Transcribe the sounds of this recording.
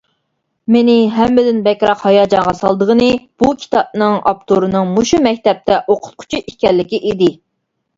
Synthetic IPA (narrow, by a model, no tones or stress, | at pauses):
mɪnɪɦɛmːɪd̪ɪnbɛkʲɾɑqhɑjɑːd͡ʒɑŋʁɑsɑlˠd̪əʁənɨb̥ukʲʰi̥t̪ʰɑp̚nɨŋɑ̰pt̪ʰoɾɨnɨŋmuʃumɛkʲt̪ɛp̚t̪ʰɛʔoqʰʊ̥t̪̚qʰʊ̥t͡ʃʰiikʲɛlːɪkʲiʔid̪ɪ